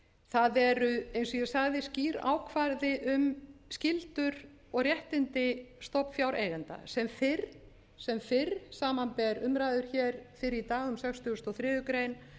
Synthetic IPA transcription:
θaðɛɾʏejnsɔjɛ̥saɣðɪsciːɾa̰ːwkʰvaɾðɪʔʏmscɪlt̪ʏɾ | ɔɣrjɛht̪ɪnt̪ɪst̪ɔpfjawɾʔeːjɣant̪a̰sɛmfɪɾ | sɛmfɪɾsaːmanpɛɾʏmɾajðʏɾ̥çɛːɾ̥fɪɾɪɾit̪aːɣʏmsɛkst̪ʏʏst̪ɔθɾɪːjʏkɾejn

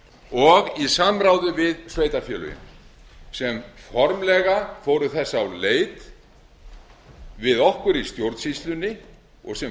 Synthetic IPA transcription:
ɔɣisamɾaːwðʏvɪðsveːjt̪afjɛːlʏ̰jʏ̰m | sɛmfɔɾmlɛɣafoːwɾʏθɛsːaawleːjt̪ | vɪðɔhkʏɾist̪jowɾt̪sist̪lʏnːɪ | ɔɣsɛ

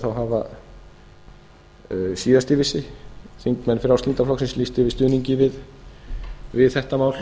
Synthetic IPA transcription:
θawɦaːva̰ | siːðast̪ɪvɪsːɪθiŋkmɛnːfɪɾawst̪ɪnt̪aflɔksɪnslist̪ɪvɪst̪ʏːniɲcɪvɪð | vɪðθɛht̪amaːwl

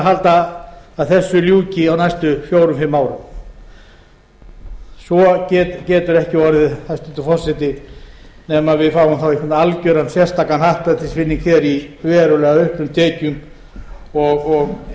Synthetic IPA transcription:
ɦalt̪aːðθɛsːʏljuːcɪawnajst̪ʏfjoːwɾʏmfɪmːaːwɾʏm | svɔcɛt̪cɛːt̪ʏɾɛhcɪvɔɾɪðhajst̪ʏnt̪ɪfɔr̥sɪt̪ɪ | nɛmaðvɪðfaːwʏmθawikʰʏmnaalcœɾansjɛr̥st̪aːkanhaht̪pat̪ʰɪsfɪnːiŋkçɛɾivɛːɾʏlɛːɣaʏhplʏmt̪ʰɛːcʏm | ɔɣɔɣ

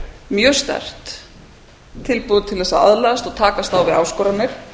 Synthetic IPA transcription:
mjœːst̪a̰r̥t̪ | ɪlpuðt̪ʰɪlɛsaa̰ðlaast̪ɔɣt̪ʰaːkast̪awvɪða̰wskɔɾamjɛɾ̥

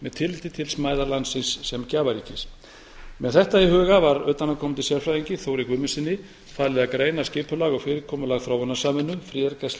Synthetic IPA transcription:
mɛðt̪ʰɪlɪt̪ɪt̪ʰɪlsmaːjðaɾlansɪnsːɛmcaːvaɾiːcɪs | mɛðθɛht̪aiɦʏːɣavaɾœːt̪anakʰɔːmɪnt̪ɪsjɛlfɾajðiɲcɪθoːwɾɪkvʏmʏnsɪnːɪ | faːlɪðakɾeːjnascɪːpʏlaɣɔɣfɪːɾɪɾkʰɔːmʏlaɣθɾaːwanːasaːmɪnːʏmfɾɪɛɾkasl

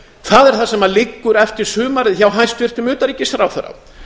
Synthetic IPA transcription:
θaðɛɾ̥θasɛmalɪkːʏɾɛft̪ɪɾ̥sʏːmaɾɪðçawɦanst̪vɪr̥t̪ʏmʏːt̪aɾicːɪsθɾawθɛɾːa̰

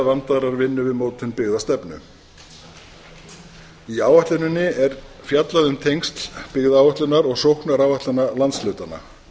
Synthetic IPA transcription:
vant̪aɾaɾvɪnːʏvɪðmoːwt̪ʰɪnpɪɣðast̪ɛpnʏ̰ | iaːwvaht̪lʏnʏnːɪɛɾ̥ | fjat̪laðʏmt̪ʰejŋst̪lpɪɣðaːwaht̪lʏnaɾɔɣsowhknaɾaːwvaht̪ʏnːalant̪slœːɥt̪ana̰

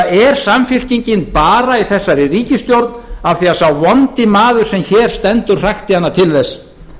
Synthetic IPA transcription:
ɛɾ̥samfɪl̥ciɲcɪnpaːɾaiθɛsːaɾɪriːcɪst̪jowɾt̪navθiasawvɔnt̪ɪmaːðʏɾ̥sɛmçɛːɾ̥st̪ɛnt̪ʏɾ̥r̥axt̪ɪanːat̪ʰɪlðɛsː

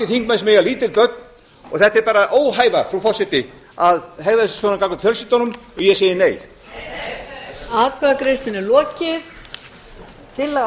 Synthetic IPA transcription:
ɪθiŋkmansmɛjaliːt̪ɪlpœt̪̚n | ɔ̰ɣθɛht̪ɛɾpaːɾaʔoːwɦaːjvafɾufɔsɪt̪ɪ | aðɦɛɣðasɪ̥svɔnakaklat̪fjœlsit̪ɔnʏmɔɣjɛseːjɪneːj | aðkʰvaðakɾɪst̪ɪnɪlɔːcɪθ | t̪ʰɪl

